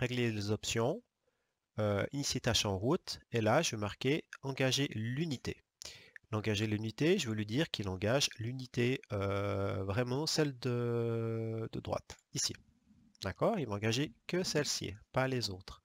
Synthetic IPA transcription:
ʁɛɡlelezɔpsjɔ̃ | øiniset̪aʃɑ̃ʁut̪elaʒəvømaʁkʲeɑ̃ɡaʒelynit̪ḛ | lɑ̃ɡaʒelynit̪eʒəvəlɥid̪iʁkilɑ̃ɡaʒlynit̪eøvʁɛmɑ̃sɛld̪ə | d̪əd̪ʁwa̰t̪isḭ | d̪akɔːʁilvaɑ̃ɡaʒekəsɛlsḭpalezoːt̪χ

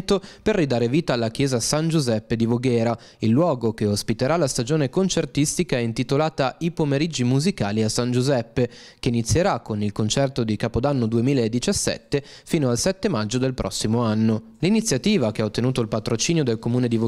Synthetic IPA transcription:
t̪operːid̪aːɾeviːt̪aːlːak̟jɛːzasand͡ʒuzɛpːed̪ivoɡɛːɾa | ilːwɔːɡokeospit̪eɾalast̪ad͡ʒoːnekont͡ʃert̪ist̪ikaɛint̪it̪olaːt̪aipomeɾid͡ʒːimuzika̰ːliasːand͡ʒuzɛpːe | k̟einit̪sːjeɾakːonilkont͡ʃɛrt̪od̪ikaːpod̪anːod̪uemiːlaed̪ːit͡ʃasːɛ̰t̪ːefiːnoalsɛt̪ːemad͡ʒːod̪elpɾʔɔ̰sːimoanːo | linit̪sːjat̪iːvak̟eaot̪ːenuːt̪oilpat̪ɾot͡ʃiːnjod̪elkomuːned̪ivo

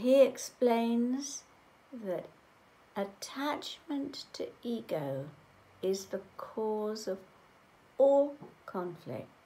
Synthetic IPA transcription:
ɦiɪksplẽɪ̃nz | ðɨɾ | ətʰat͡ʃmə̃ntʰɨiɡoʊ | ɪzðəkʰɔzʌv | ɔlˠkʰɑ̃ɱflɪ̰k̚t

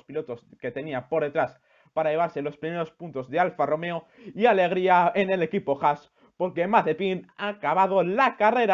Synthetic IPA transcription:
spilo̞t̪o̞ske̞t̪e̞niapo̞ɾðe̞t̪ɾas | paɾaʝe̞β̞aɾselo̞spɾime̞ɾo̞spunt̪o̞zðealfaro̞me̞o | iale̞ɣ̞ɾiaene̞le̞kipo̞xas | po̞ɾke̞maθe̞pinakaβ̞að̞o̞lakare̞ɾa

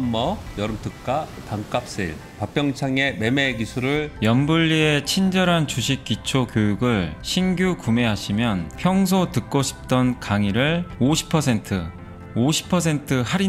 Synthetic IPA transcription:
mːʌjʌɾɯmt͈ʰɯkk͈ataŋk͈ap̚s͈iɭ | pap͈ʰjʌŋt͡ɕʰaŋe̞me̞mekisʰuɾɯɭjʌmbuʎːiet͡ɕʰind͡ʑʌɾɦant͡ɕuɕʰik̚k͈it͡ɕʰokjojuɡɯɭɕʰinɡjukume̞ɦaɕʰimjʌnpʰjʌŋs̬ʰotɯk̚k͈oɕʰi̥p̚t͈ʌnkaŋiɾɯɭoɕʰi̥pʰʌsʰe̞ntʰɯ | oɕʰi̥pʰʌs̬ʰe̞ntʰɯhaɾi

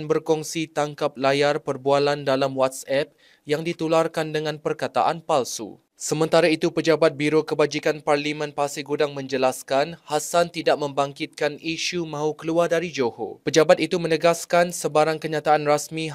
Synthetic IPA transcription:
nbərkɔŋsit̪aŋkap̚lajarpərbualandalamwat̪sɛp̚ | jaŋdit̪ularkandəŋãnpərkat̪a̰ʔanpalsṵ | səmə̃nt̪aɾait̪upəd͡ʒabat̪̚biɾokəbad͡ʒikanparlimə̃npasiɡudaŋmə̃ɲd͡ʒəlaskanhasant̪idaʔ̚mə̃mbaŋkit̪̚kaniʃumãɦukəluardaɾid͡ʒoho̰pəd͡ʒabat̪̚it̪umə̃nəɡaskansəbaɾaŋkəɲat̪aʔanrasmĩ

